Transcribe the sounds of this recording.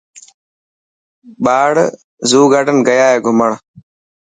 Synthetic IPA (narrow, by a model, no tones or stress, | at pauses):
ɓaːɽ | zuːɡaːɖənɡəjaːɦeːɡʱʊməɳ̃